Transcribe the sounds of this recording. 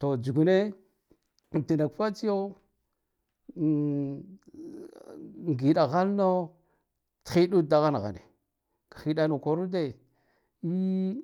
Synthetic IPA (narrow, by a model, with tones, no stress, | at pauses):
to˨d͡ʒu˨ɡu˨ne˦˨ | ti˨na˨kfa˦t͡si˦jo˦˨ | ŋɡi˨ɗa˨ɣa˦lno˦ | txi˦du˦da˨ɣa˦n˨ɣa̰˨nḛ˨ | kḁ˨xi˨da˦no˨ko˨ɾu˦de˦ | i˦